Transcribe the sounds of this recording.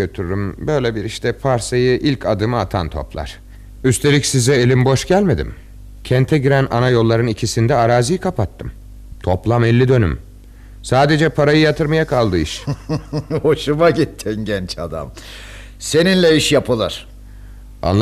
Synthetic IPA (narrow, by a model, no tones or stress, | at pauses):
øt̪ʰyɾd̪ymbø̞jlʲebiɾiʃt̪ʰɛpʰaɾsajɯʔilʲcʰad̪ɯmɯat̪ʰa̰nt̪ʰo̞̰plˠa̰ɾ̥ | yst̪ʰe̞lʲicsizɛelʲimbo̞ʃɟælʲme̞d̪ḭm | cʰɛnt̪ʰɛɟiɾænʔa̰najo̞lˠːaɾɯnicʰisind̪ɛaɾaːzijkʰapʰat̪ʰːɯm | t̪ʰo̞plˠamɛlʲːid̪ø̞ny̰m | saːd̪e̞d͡ʒɛpʰaɾajɯjat̪ʰɯɾmajakʰalˠd̪ɯiʃ | ho̞ʃumaɟit̪ʰːinɟɛnt͡ʃad̪a̰m | se̞ninlʲɛiʃjapʰɯlˠaɾ̥ | a̰nlˠ